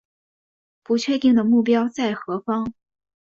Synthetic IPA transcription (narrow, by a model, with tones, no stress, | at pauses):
pu˧˥t͡ɕʰɥɛ˥˧t̪i˥˩ŋd̪ə˩mu˥˩pjɑ˥ʊt͡sa˥˩ɪxɤ˧˥fɑ˥ŋ